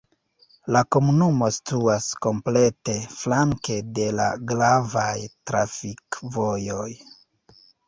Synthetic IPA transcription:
lako̞munumo̞si̥tuasko̞mple̞te̞flaŋke̞de̞la̰ɡɾavajtɾafikvo̞jo̞j

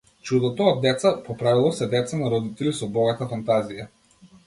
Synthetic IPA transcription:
t͡ʃud̪ɔt̪ɔːd̪ːɛt̪sapɔpɾavilˠɔsɛd̪ɛt̪sanaɾɔd̪it̪ɛlisɔbɔɡat̪afant̪azija

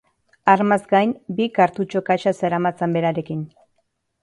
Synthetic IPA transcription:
aɾmazɡajnbikaɾt̪ut͡ʃo̞kajʃaseɾamat͡sembe̞ɾaɾe̞kin

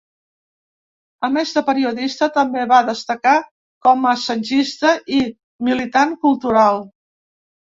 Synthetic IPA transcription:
əmɛzt̪əpəɾiuðist̪ət̪əmbeβaðəst̪əka | kɔməsənʲʒist̪əʔi | milit̪aŋkulˠt̪uɾalˠ

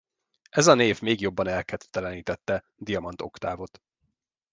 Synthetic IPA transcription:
ʔɛzɒneːvmeːɡjo̞bːɒnɛlkɛt̪t̪ːɛlɛniːt̪ɛt̪ːɛ | d̪ijɒmɒnt̪o̞̰kt̪aːvo̞t̪

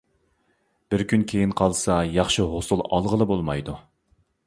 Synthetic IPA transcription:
b̥ɪɾkʲʰynkʲʰejinqʰɑlˠsɑjɑχʃɨɦosulˠɑ̰lˠʁəlˠɨbolˠmɑjd̪u

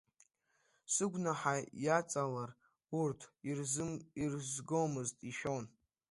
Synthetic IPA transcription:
sɨɡʷnaħajat͡sʼalar | urtʰirzɨmirzɡowmɨztʼiʃᶣon

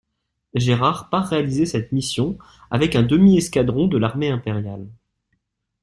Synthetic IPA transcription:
ʒeʁaʁpaʁːealizesɛt̪misjɔ̃ | a̰vɛkɛ̃d̪əmiɛskad̪ʁɔ̃d̪əlaʁmeɛ̃peʁjal

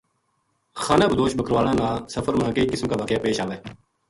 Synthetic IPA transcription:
xaːnãːbʱəd̪oːʃbəkɾʋaːlãːnãːsəfʰəɾmãːkeiːkɪsmkaːʋaːkjaːpeːʃaːʋeː

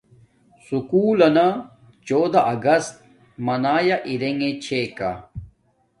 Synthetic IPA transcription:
sukuːlɐna | t͡ɕoːd̪aʔɐɡɐst̪̚ | mɐnaːjaʔiɾeŋɡet͡ɕʰeːka̰

